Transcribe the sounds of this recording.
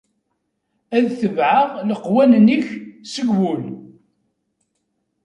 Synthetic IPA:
æðθəvʕaʁləqːwænəniçsəɡwul

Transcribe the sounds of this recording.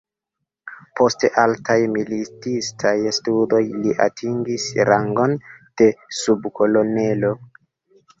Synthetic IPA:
po̞stʔaltʰajmilitistʰajstudo̞jliʔa̰tʰiŋɡisɾaŋɡo̞nd̥e̞subkʰo̞lo̞ne̞lo̞

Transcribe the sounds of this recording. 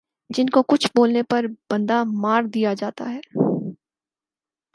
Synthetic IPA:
d͡ʒɪnkokʊt͡ʃʰboːlnepɐɾb̥ɐ̃nd̪amaːɾd̪ijad͡ʒaːt̪a̰ɦɛː

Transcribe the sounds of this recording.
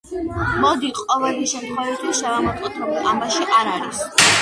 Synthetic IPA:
mɔd̪iqʼɔvɛliʃɛmd̪χɔlit̪ʰisʃavamɔt̪ʼɔt̪ʰɔbiqʼambaʃiʔaɾaɾis

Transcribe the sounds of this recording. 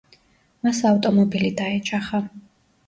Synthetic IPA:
masaft̪ʼɔmɔbilid̪aɛt͡ʃʼaχa

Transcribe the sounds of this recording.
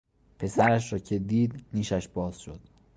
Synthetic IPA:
pʰe̞sæɾæʃɾɒːcʰe̞d̪iːd̪niːʃæʃb̥ɒːz̥ʃo̰d̪̥̚

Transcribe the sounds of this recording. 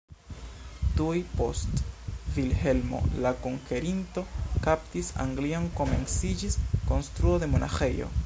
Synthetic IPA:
tujpo̞̰stvilhe̞lmo̞̰lakoŋke̞ɾinto̞kaptisa̰ŋɡlio̞nko̞me̞̰nsid͡ʒisko̞nst̪ɾuo̞de̞mo̞nʔa̰xe̞jo̞̰

